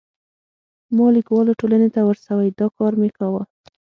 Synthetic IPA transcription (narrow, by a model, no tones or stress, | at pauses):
mɑlikwɑloʈolanet̪awəɾsawajd̪ɑkɑɾmekawa